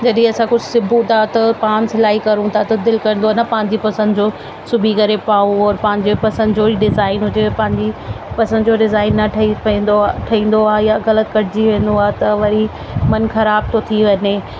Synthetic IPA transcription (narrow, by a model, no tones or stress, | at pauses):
d͡ʑɐɗĩɐsãkʊd͡ʑsɪbʱut̪ʰat̪ɐpaːnsɪlaːɦikɐɾũt̪ʰat̪ɐd̪ɪlkɐɾə̃nd̪oanɐpãːɪ̃ɲd͡ʑipɐsə̃nd̪ʊd͡ʑoː | sʊbʱikɐɾepaːõɔɾpɐ̃ɦɪ̃ɲd͡ʑepɐsə̃nd̪d͡ʑoiɖɪzaːɪnɦʊd͡ʑepɐ̃ɦɪ̃ɲd͡ʑi | pɐsə̃nd̪d͡ʑoɖɪzaːɪnːɐʈʰipɐĩːnd̪oʈʰɐĩːn̆d̪oaːɦjaɣɐlət̪kɐɽɪd͡ʑiʋẽːnd̪oaːet̪ɐʋɐɾi | mɐnxɐɾaːb̚t̪ʰot̪ʰiʋɐne